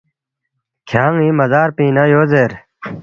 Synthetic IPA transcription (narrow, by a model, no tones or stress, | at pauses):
kʰjaːŋimɐzaːɾpiːnajoːzeɾ